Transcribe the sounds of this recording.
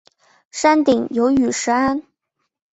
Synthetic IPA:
ʂa˥nt̪i˨˩ŋjo˧˥ʊy˨˩ʂɻ̩˧˥a˥n

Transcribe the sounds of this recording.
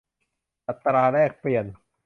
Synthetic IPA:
ʔa˨˩t̪ːɾaː˧ɾɛː˥˩k̚pli˨˩ən

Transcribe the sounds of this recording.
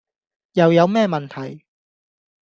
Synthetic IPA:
jɐ˨˧wjɐ˨˧wmɛː˥mɐ˨nt̪ʰɐ˨˩j

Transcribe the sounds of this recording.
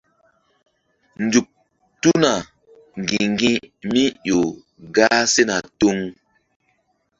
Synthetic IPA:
nd͡zu˨k̚ | tu˦na˨ | ŋ˨ɡi˨ŋɡĩ˦mi˦jo˨ | ɡaː˦se˦na˨to˦ŋ

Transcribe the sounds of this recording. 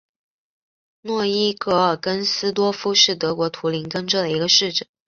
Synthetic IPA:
nwɔ˥˩i˥kɤ˥˩ə˞˨˩kə˥nsɹ̩˥t̪̬wɔ˥fu˥ʂɻ̩˥˩t̪ɤ˧˥kwɔ˧˥t̪ʰu˧˥li˧˥nkə˥nʈ͡ʂɤ˥˩d̪ə˩i˧˥ɡə˧ʂɻ̩˥˩ʈ͡ʂə˨˩˦

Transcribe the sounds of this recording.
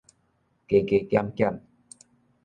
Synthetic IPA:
ke˨˩ke˨˩kja˧mkja˧m

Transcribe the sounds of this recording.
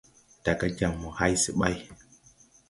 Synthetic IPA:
ta˨ka˦d͡ʒa˨mːo˨ha˦jsi˨ɓa˦j

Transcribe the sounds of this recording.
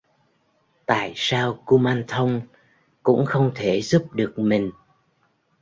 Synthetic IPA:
t̪a̰ː˧˨jsaː˧wku˧maː˧nt̪ʰə˧wŋ͡m | kʊ̰˧˥ŋ͡mxə˧wŋ͡mt̪ʰe˧˩zu˦˥p̚ɗɨ˨˩ək̚mï˨˩ŋ̟

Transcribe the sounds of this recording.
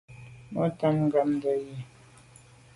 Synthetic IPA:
mɔ˦ta˦mŋ̩˦ɡa˨m˦də˨je˨

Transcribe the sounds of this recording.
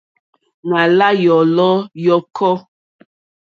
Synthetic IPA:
na˨la˦jɔ˨lɔ˦jɔ˦kʰɔ˦

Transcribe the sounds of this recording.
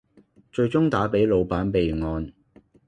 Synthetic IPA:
t͡ʃɵ˧ɥt͡sʊ˥ŋt̪aː˨˥pe˨˥jlo˨˧wpaː˨˥npe˨˧jŋɔː˨˧n

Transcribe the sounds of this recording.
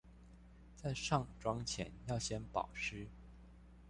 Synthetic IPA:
t͡sa˥˧ɪʂɑ˥˩ŋʈ͡ʂwɑ˥ŋt͡ɕʰjɛ̰˧˥njɑ˥˩ʊɕjɛ˥npɑ̰˨˩ʊʂɻ̩˥

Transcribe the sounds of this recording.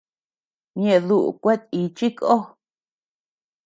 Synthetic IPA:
ɲẽ˧ʔðu˦˨ʔṵ˨kʷe˦t̪̚i˧t͡ʃi˦ko˦

